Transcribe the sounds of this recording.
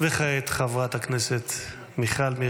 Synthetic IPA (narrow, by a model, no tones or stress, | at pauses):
veχaet̪χavʁat̪hakneset̪ | miχalmi